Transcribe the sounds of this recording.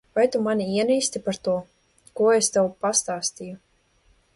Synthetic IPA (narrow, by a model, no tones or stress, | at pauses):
vajt̪umanʲiiɛniːst̪ipaɾt̪uɔ | kuɔest̪ɛwpast̪aːst̪iju